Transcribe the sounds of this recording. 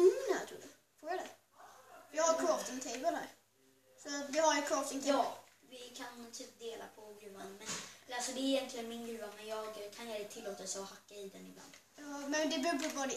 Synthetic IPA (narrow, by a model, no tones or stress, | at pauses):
nɛt̪ʰɾṵːd̪ə | fuːjad̪ɛ | jɑhaɾkʰɾɔft̪ɪŋt̪ʰeɪbəld̪æ̰ɾ | sɔt̪vɪhaɾjəkʰɾɔːft̪ɪŋt̪ʰjɑː | vɪkʰant̪ʰyːp̚d̪eːla̰pʰɔɡɾʉ̟ːvanmɛnasɔd̪ɛːɾɪjɛnt̪lɪənmɪnɡɾʉ̟ːvamɛnjɑːɡkʰanjat̪ʰɪlːoːt̪asɔhakːaɪd̪ɛnɪbla̰nd̪̥ | jɑːmɛnd̪ɛbʉbəbɔd̪